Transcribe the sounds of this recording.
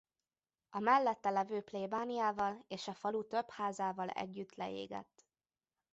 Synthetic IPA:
ɒmɛlːɛt̪ːɛlɛvøːpleːbaːnijaːvɒleːʃɒfɒlut̪ø̞phaːzaːvɒlɛ̰ɟːyt̪lɛ̰ḛːɡɛ̰t̪ː

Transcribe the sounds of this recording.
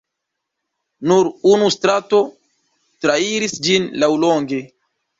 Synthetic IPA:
nuɾunustɾato̞ | tɾaiɾisd͡ʒinlawloŋɡe̞

